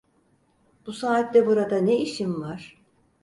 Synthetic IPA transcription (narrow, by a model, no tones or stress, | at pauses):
b̥usaːt̪lɛbuɾad̪aneiʃinvaɾ̥